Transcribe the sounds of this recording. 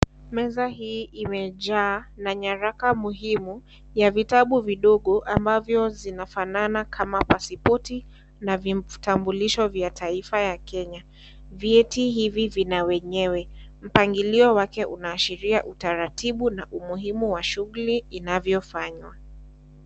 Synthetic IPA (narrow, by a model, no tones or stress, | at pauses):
mɛzaɦiːimɛʄaːnaɲaɾakamuɦimu | javitaɓuviɗɔɠɔʔambavjɔzinafananakʰamapasipɔti | navitambuliʃɔvjatʰaifajakɛɲa | vjɛtiɦivivinawɛɲɛwɛ | m̩paŋɡiliɔwakɛʔunaːʃiɾiaʔutaɾatiɓunaʔumuɦimuwaʃuɣuliːnavjɔfaɲwa